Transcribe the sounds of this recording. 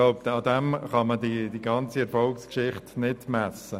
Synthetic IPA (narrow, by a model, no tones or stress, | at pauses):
aʊpt̪ɑdɛmχɑmədid̥iɡɑnt͡siɛɾfɔlkskʃɪχtnɪdmæsə